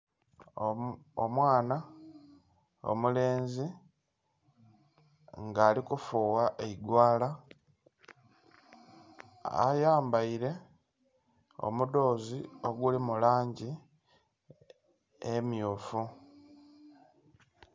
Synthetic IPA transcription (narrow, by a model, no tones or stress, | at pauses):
omwaːna | o̰mule̞ːnzi | ŋɡaːlikufuːwaʔeiɡwaːla | a̰jaːmbaiɾe̞ | o̞̰mudo̞ːzio̞ɡulimulaːɲɟi | emjuːfu